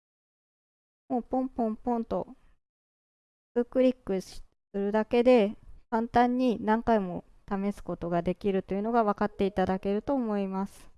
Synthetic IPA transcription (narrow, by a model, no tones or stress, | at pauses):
moːpõ̞mpõ̞mpõ̞nt̪o̞ | ɯkɯ̟ɾʲikːɯ̟ɕi̥ | ɨɾɯ̟d̪ake̞d̪e̞kãnt̪ãɲ̟ːinãŋkaimo̞ | t̪ame̞sɨ̥ko̞t̪o̞ɡad̪e̞kʲiɾɯ̟t̪o̞jɯ̟no̞ɡaβakat̪ːe̞it̪ad̪ake̞ɾɯ̟t̪o̞ːmo̞imasɨ̥